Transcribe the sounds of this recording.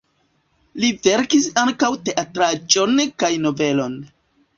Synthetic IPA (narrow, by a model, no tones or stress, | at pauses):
live̞ɾkisaŋkawte̞ʔatɾad͡ʒo̞nkajno̞ve̞lo̞n